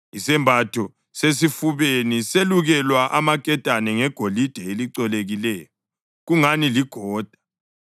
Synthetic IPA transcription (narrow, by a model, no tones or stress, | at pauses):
isɛmbʱatʰɔ | sesifuβeniseluɣɛlwaʔamakʼɛtʼanɛŋɛɡ̥ʱolid̥ʱɛeliǀɔleɣilɛːjɔ | ɣuŋaniliɡ̥ʱɔːd̥ʱḁ